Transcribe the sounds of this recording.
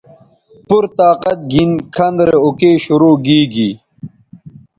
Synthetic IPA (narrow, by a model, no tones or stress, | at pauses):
puɾt̪aːqɐt̪̚ɡinkʰɐnd̪ɾeokeːɕuɾoːɡiːɡi